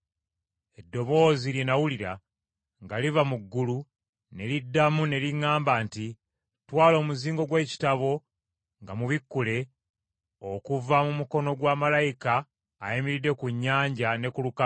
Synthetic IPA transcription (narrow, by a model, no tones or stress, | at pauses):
e̞dːo̞βo̞ːzilinawuliɾa̰ | ŋɡalivamuɡːulu | ne̞lidːamune̞liŋaːmbanti | twaːlo̞ːmuziːŋɡo̞ɡwe̞ːci̥taβo̞ | ŋɡamuβikːule̞ | o̞kuvamumuko̞no̞ɡwaːmalajikaː | imiɾide̞kuɲːaːɲɟane̞kuluka